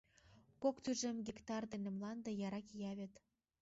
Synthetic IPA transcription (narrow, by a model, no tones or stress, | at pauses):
kokt̪yʒemɡʲikt̪ɑrd̪enĕmlɑnd̪ĕjɑɾɑkijɑβet̪